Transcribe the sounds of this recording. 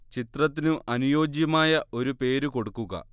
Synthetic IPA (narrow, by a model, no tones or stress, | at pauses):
t͡ɕit̪rɐt̪ːinuʔɐnujo̞ːd͡ʑjɐmaːjɐʔo̞ɾupe̞ːɾuko̞ɽukːuɣɐ̰